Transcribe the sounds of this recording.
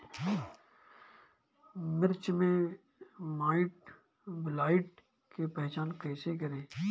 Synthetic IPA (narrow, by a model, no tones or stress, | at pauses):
mɪɾt͡ʃmẽ | maːɪʈ̚ | bɪlaːɪʈ | kepɛɦt͡ʃaːnkɛːsekəɾẽː